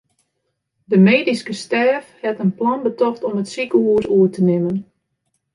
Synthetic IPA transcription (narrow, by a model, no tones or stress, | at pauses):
dəmeːdiskəstɛːfhɛtənplɔnbətɔxtɔmətsikəuəɾuətənɪmən